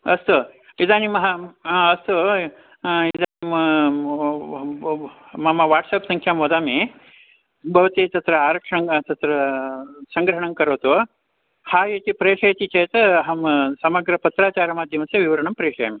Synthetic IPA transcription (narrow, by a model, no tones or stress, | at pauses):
ɐst̪uid̪aːnimɐɦɐɐst̪u | id̪aːnim | mɐmɐʋaːʈsɐpsɐŋkʰjaːmʋɐd̪aːmi | bʱɐʋɐt̪it̪ɐt̪ɾɐaːɾɐkʂɐŋt̪ɐt̪ɾɐ | sɐŋɡɾɐɦɐɳɐŋkɐɾoːt̪u | haːjet͡ʃipɾeːʂɐjt͡ʃ̪it͡ʃeːt̪ɐɦɐmsɐmɐɡɾɐpɐt̪ɾaːt͡ʃaːɾɐmaːd̪ʱjɐmɐseʋiʋɐɾɐɳɐmpɾeːʂʰɐjami